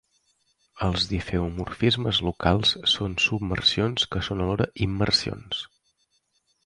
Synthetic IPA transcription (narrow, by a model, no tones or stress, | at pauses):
əlˠzðifeumurfizməzlukalˠssonsubmə̰rsionskəsonəlɔɾəʔimːərsio̰ns